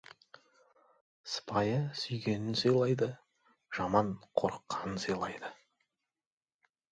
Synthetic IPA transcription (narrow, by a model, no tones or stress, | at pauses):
spʰɑjəsʏjɡʲe̞nɪnsəjlˠɑjd̪ə | ʒ̥ɑmɑɴqʰo̞ɾəqːɑnənsəjlˠɑjd̪ə